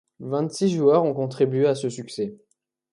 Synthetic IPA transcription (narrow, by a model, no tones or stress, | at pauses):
vɛ̃t̪siʒuœʁɔ̃kɔ̃t̪χibɥeasəsyksɛ